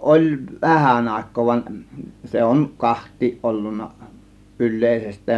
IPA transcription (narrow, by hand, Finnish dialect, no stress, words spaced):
ʔolʲ ʋæhæn ɑˑe̝kˑoː ʋɑn se on kɑhtˑiːʔ ʔolːunːɑ ylˑeˑisestˑæːn